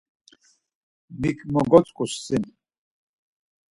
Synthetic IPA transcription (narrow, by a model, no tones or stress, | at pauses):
mikʰmɔɡɔt͡sʼkʼussin